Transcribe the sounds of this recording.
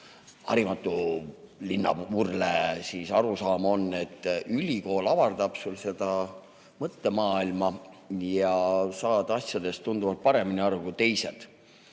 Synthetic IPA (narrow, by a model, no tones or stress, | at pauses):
ɑ̰ɾimɑt̪ːˑulinːɑ̰vurlesisɑɾusɑːmo̞nːe̞t̪ːˑylʲiko̞ːlɑvɑrd̪̥ɑb̥sulse̞d̪̥ɑ | mɤt̪ːe̞mɑːilmɑ | jɑsɑːd̪̥ɑsjɑd̪̥e̞st̪und̪̥uvɑlt̪̚pɑɾe̞miniɑrukut̪e̞jse̞d̪̥